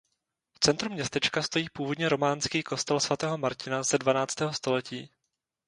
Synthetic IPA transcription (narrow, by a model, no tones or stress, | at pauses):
ft͡sɛnt̪ɾumɲɛst̪ɛt͡ʃkast̪o̞jiːpuːvo̞dɲɛɾo̞maːnskiːko̞st̪ɛlsvat̪ɛːɦo̞maɾcɪnazɛdvanaːt͡st̪ɛːɦo̞st̪o̞lɛciː